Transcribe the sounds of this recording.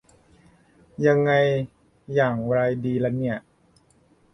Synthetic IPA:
ja˧ŋːa˧jː | aː˨˩ŋɾa˧jdiː˧lɛ˦˥ni˥˩ɐ

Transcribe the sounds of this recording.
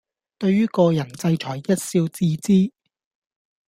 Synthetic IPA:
t̪ɵ˧ɥɥyː˥kɔː˧jɐ˨˩nt͡sɐ˧jt͡ʃʰɔː˨˩jjɐ˥t̚siː˧wt͡siː˧t͡siː˥

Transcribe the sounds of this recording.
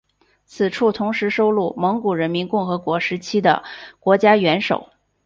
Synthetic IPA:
t͡sʰɹ̩˨˩ʈ͡ʂʰu˥˩t̪ʰʊ˧˥ŋʂɻ̩˧˥ʂo˥ʊlu˥˩mɤ˧˥ŋku˨˩ɻə˧˥nmi˧˥nkʊ˥˩ŋxɤ˧˥kwɔ˧˥ʂɻ̩˧˥t͡ɕʰi˥d̪ə̰˨kwɔ˧˥t͡ɕja˥ɥɛ˧˥nʂo˨˩˦ʊ

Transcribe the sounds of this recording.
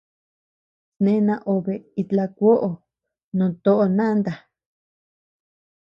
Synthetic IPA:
snẽ˦nã˧ʔo˨βe˨i˧t̪la˧kʷo˦ʔo˨ | nũ˨˧t̪o˦ʔo˧nã˦nd̪a˨

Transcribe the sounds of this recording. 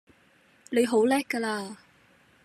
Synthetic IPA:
le˨˧jɦo˨˥wlɛː˥kːə˧laː˧

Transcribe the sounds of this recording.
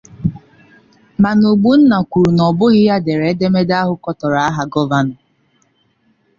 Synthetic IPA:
ma˨no˨ɡ͡bu˦n̩˦na˨kʷu˨ɾu˨nɔ˨bʊ˦ɣɪ˦ja˦de˨ɾe˨e˦de˦me˦da˦ɦʊ˦kɔ˦tɔ˨ɾa˨a˦ɦa˨ɡɔ˦va˨nʊ˨

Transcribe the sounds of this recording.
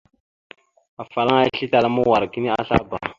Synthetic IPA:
a˨fa˨la˦ŋa˦ɬi˦ta˨la˦mu˦wa˨ɾki˦ni˦a˦ɬa̰˦ba̰˨

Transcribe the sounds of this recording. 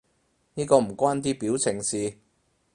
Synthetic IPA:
niː˥kɔː˧m̩˨˩kwaː˥nt̪̬iː˥piː˨˥wt͡sʰɪ˨˩ŋsiː˨˧

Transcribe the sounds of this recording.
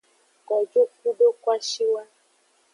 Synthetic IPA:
kɔ˨d͡ʒo˦k̚u˦ɖo˦ka˦ʃi˦wa˦

